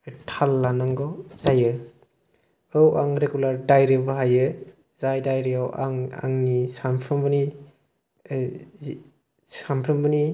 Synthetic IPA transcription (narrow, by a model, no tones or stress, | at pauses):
tʰalːanaŋɡɔz̥ajɯ | ɯwaŋɾeɡulaɾdajɾɯbɯɦajɯ | zajdajɾijawʔa̰ŋa̰ŋnisampʰɾɯmbɯni | sampʰɾɯmbɯni